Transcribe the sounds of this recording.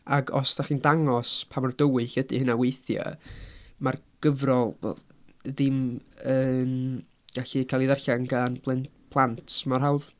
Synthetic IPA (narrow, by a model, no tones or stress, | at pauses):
aɡɔ̰sd̥aχiːndaŋɔspʰamɔrd̥əwɨɬədihənawejθja̰ | marɡ̥əvrɔlˠvɛ̰l | ðɪməːn | ɡ̥aɬikʰalˠiðɛrɬaŋɡanb̥ʰlˠɛnpʰlˠantʰmarɦawð